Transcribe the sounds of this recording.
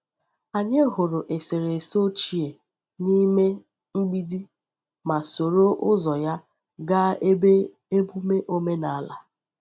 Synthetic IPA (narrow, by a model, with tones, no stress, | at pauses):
a˨ɲe˦ɦʊ˨ɾʊ˨ʔe˨se˨ɾe˨so˦t͡ʃi˨e˨ | ni˦me˦ | ŋ͡m̩˦ɡ͡bi˦di˦ | ma˨so˨ɾo˦ʔʊ˦zɔ˨ja˦ | ɡa˦ | e˦bu˦me˦ʔo˦me˦na˨a˦la˨